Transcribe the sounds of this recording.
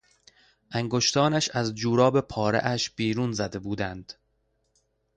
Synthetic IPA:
ʔæŋɡoʃt̪ʰɒːnæʃæzd͡ʒuːɾɒːbe̞pʰɒːɾḛʔæʃb̥iːɾuːnzæd̪e̞buːd̪ænd̪̥

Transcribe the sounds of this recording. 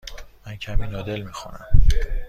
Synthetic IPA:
mæncʰæmiːnɒːd̪elmixunæ̰m

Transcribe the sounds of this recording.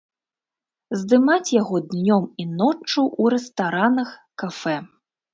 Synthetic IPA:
zd̪ɨmat͡sʲjaɣɔd̪nʲɔminɔt͡ʂːuʔuɾɛst̪aɾanɐxkafɛ

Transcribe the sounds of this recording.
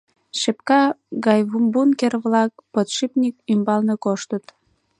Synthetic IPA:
ʃepkɑɣɑjβumbunkerβlɑk̚pət̪ʃipnʲik̚ymbɑlnekoʃt̪ət̪

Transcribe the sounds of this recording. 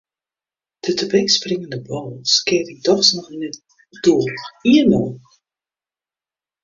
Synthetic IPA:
d̥ətʰəbɛksprɪŋəndəbɔlˠskɪətik̚dɔxsnɔxinə | d̥uəiənoː

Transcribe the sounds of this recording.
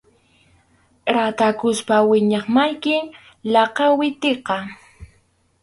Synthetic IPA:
ɾat̪akʊspawɪɲɑχmajkɪŋ | lɑqɑwɪt̪eqɑ

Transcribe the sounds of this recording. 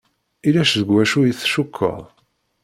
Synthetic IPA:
ilæʃðəɡwæʃujiθʃukʰːə̰ðˤ

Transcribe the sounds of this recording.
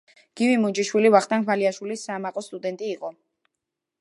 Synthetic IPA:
ɡ̥ivimud͡ʒiʃwilivaχt̪ʼaŋʰvaliaʃwilisːaːmaqʼɔst̪ʼud̪ɛnt̪ʼiːqʼɔ

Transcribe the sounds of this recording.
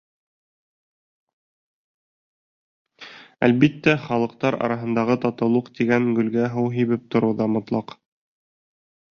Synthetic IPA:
æ̰lβit̪ːæχɑlˠɤ̆qt̪ɑɾɑ̰ɾɑɦɤ̆nd̪ɑʁɤt̪ɑt̪ɤ̆lˠuqt̪iɡæŋɡɵ̆lɡæɦɤwɦiβɘp̚t̪ŏɾɤwðɑmŏt̪lˠɑq

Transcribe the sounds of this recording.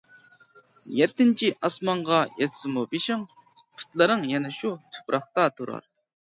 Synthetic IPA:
jɛt̪ːɪnt͡ʃʰiʔɑsmɑɴʁɑjɛt̪sɨmubiʃɪŋpʰy̥t̪lɪɾɨŋjɛnɛʃut̪ʰu̥pɾʔɑχt̪ɑt̪ʰuɾɑ̰ɾ

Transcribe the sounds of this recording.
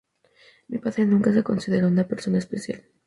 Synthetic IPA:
mipaðɾenũŋkas̬e̞ko̞nsiðe̞ɾaunapeɾso̞naespesja̰l

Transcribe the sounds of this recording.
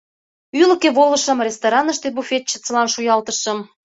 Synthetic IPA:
ylə̆keβolə̆ʃə̆mrʲest̪oɾɑnəʃt̪ebufet̪̚t͡ɕə̥̆t͡səlɑnʃujɑlt̪əʃə̆m

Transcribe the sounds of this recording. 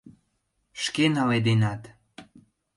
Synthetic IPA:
ʃkenɑled̪enɑt̪

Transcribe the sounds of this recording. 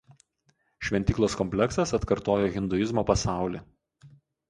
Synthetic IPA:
ʃʲʋʲɛnʲt̪ʲiːklˠoːskɔmʲpʲlʲɛksɐsɐt̪kɐɾt̪oːjoːɣʲɪnd̪ʊjɪzmoːpɐsɑˑʊlʲiː

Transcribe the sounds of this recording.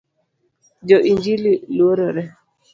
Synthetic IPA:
d͡ʒɔʔiɲd͡ʒililwoɾoɾɛ

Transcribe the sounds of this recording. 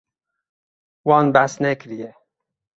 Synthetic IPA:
wɑːnbæsnɛkɾije

